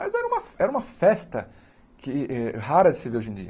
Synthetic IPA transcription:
mɐzɛɾɐũmɐɛɾɐũmɐfɛst̪ɐ | kɪɛhaɾɐd͡ʒɪsɪveɾoʒẽd͡ʒḭɐ

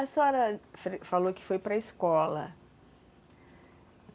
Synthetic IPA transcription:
ɐsɔɾɐfɾefalokɪ̥fojpɾɐɪskɔlɐ̰

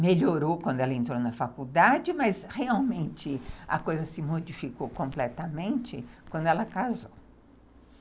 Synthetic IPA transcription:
meʎoɾowkwɐ̃nd̪ɛlɐẽnt̪ɾownɐfakud̪ad͡ʒɪmɐzheawmẽnt͡ʃɪɐ̰kojzɐsɪmod͡ʒifikowkõplɛt̪ɐmẽnt͡ʃɪkwɐ̃nd̪ʊɛlɐkazow

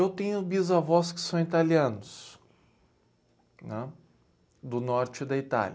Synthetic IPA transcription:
ewt̪ẽɲʊbizavɔskɪ̥sɐ̃w̃it̪aliɐ̃nʊs | nɛ̃ | d̪ʊnɔɾt͡ʃɪd̪ɐit̪a̰lɐ

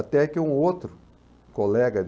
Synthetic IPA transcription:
at̪ɛkɪũot̪ɾʊ | kolɛɡɐ

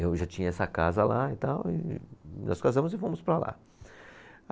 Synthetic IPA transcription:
ewʒat͡ʃĩɲɐɛsɐkazɐlaɪt̪awɪ̰nʔɔ̰skazɐ̃mʊzɪfõmʊspɾala̰

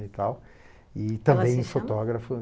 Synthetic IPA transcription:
it̪aw | it̪ɐ̃mbẽj̃ʊ̃fot̪ɔɡɾɐfʊ

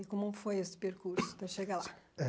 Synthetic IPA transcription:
ikomɐ̃fojespeɾkuɾsut̪ɐ̃ʃeɣalˠa

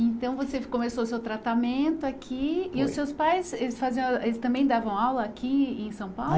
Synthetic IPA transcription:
ẽnt̪ɐ̃w̃vosekomesoʊsewt̪ɾat̪amẽnt̪ʊakʰiɪʊsːewspajselɪsfazĩɐ̃elɪst̪ɐ̃mbẽj̃d̪avɐ̃w̃awlɐːkʰiẽsɐ̃w̃paw

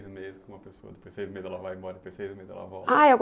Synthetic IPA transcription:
jzmezɪskõumɐpesoɐd̪epojz̥sejzmezɛlɐvajmɔɾɐd̪pojsejzmezɛ̰lɐ̰vɔ̰aewɡ

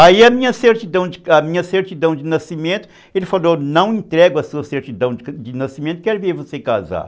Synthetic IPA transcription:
aiɐmĩɲɐseɾt͡ʃid̪ɐ̃w̃d͡ʒɪamĩɲɐseɾt͡ʃid̪ɐ̃w̃d͡ʒɪnasimẽnt̪ʊ̥ | elɪfalonɐ̃w̃ẽnt̪ɾɛɡʊɐsuɐseɾt͡ʃid̪ɐ̃w̃d͡ʒd͡ʒɪnasimẽnt̪ʊ̥kɛɾviɾvosekaza̰

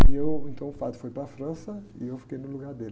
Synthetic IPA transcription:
iewẽnt̪ɐ̃w̃ʊfat̪ʊ̥fojpɾɐfɾɐ̃sɐḭewfi̥kejnʊluɡaɾd̪elɪ

